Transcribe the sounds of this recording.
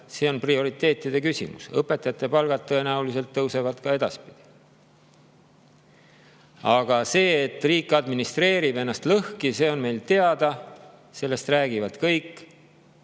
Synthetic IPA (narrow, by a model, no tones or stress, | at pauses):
seːo̞nprio̞ɾit̪ːˑe̞ːt̪ːˑid̪̥e̞kysḭmṵsɤpːˑet̪ːˑɑjɑt̪ːˑe̞pɑlɡ̥ɑt̪̚ːɤe̞næulise̞lt̪ːɤwse̞vɑt̪kɑe̞d̪̥ɑspid̪̥i̥ | ɑɡ̥ɑse̞ːet̪ːˑriːkːˑɑd̪minist̪re̞ːɾibe̞nːɑst̪lɤhkise̞ːo̞nme̞jlt̪e̞ɑd̪̥ɑ | se̞lːe̞st̪ræːɡ̥ivɑt̪kɤjkːˑ